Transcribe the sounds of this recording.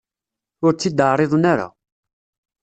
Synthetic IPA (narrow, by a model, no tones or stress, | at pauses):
ʊɾt͡sːid̪əɾˤɪðˤnaɾa̰